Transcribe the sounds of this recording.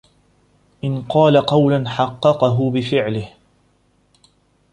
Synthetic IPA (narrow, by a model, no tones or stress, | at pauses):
ʔɪnqɑːlaqɑwlanħɑqːɑqɑɦʊbɪfɪʕlɪh